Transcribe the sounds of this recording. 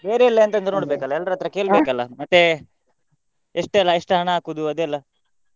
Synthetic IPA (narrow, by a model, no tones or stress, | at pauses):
be̞ːɾeilːeɐnt̪ɐnd̪ɾɐnoːɽbekɐlːɐɛlːɾɐt̪ɐɾɐkeːɭbekɐlːɐmɐt̪ːe | eʂʈːlːɐeʂʈɦɐɳɐaːkud̪uɐd̪ɛlːɐ